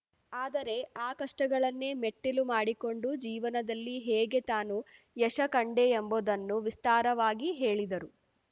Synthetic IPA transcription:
aːd̪ɐɾe̞aːkɐʂʈɐɡɐɭɐnːe̞meʈːilumaːɽiko̞ɳɖud͡ʒiːʋɐnɐd̪ɐlːiɦɛːɡe̞t̪aːnu | jɛʂɐkɐɳɖeembod̪ɐnːuʋist̪aːɾɐʋaːɡiɦe̞ːɭid̪ɐɾu

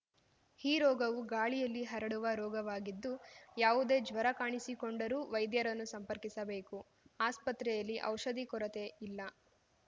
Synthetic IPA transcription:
hiːɾɔːɡɐʋuɡaːɭijɐlːiɦɐɾɐɽuʋɐɾɔːɡɐʋaːɡid̪ːujaːʋud̪eːd͡ʒʋɐɾɐkaːɳisikoɳɖɐɾuːʋɐjd̪jɐɾɐnːusɐmpɐɾkisɐbe̞ːku | aːspɐt̪ɾɛjɐlːiʔɐwʃɐd̪ikɔɾɐt̪e̞ilːɐ

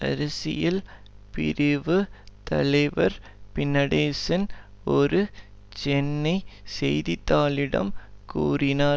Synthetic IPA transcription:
ɐ̰ɾɐsɪ̰jɪl | pɪ̰ɾɪʋɯt̪ɐ̰lɐɪʋɐɾ | pɪnːɐɽeːsɐn | ɔɾɯ | t͡ʃɛnːɐɪsɛjðɪt̪ːaːlɪɽɐ̰mkuːrɪnaː

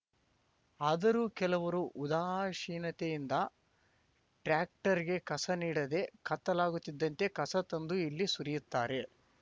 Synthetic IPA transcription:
aːd̪ɐɾuːkɛlɐʋɐɾuʔud̪aːʃiːnɐt̪ejind̪ɐ | ʈɾaːk̚ʈɐɾiɡe̞kɐsɐniːɽɐd̪e̞kɐt̪ːɐlaːɡut̪ːid̪ːɐnt̪e̞kɐsɐt̪ɐnd̪uilːisuɾijut̪ːaːɾe̞

